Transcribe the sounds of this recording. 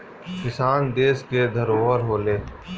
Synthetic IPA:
kɪsaːnd̪eːsked̪ʱəɾoːəɾɦoːleː

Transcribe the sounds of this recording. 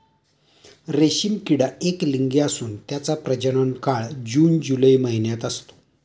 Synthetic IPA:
ɾeɕimkiɽaekliŋɡeasuːnt̪jat͡sapɾəd͡ʑəɽ̃əɳkaɭd͡ʑuːnd͡ʑuləjməɦinjat̪əst̪o̥

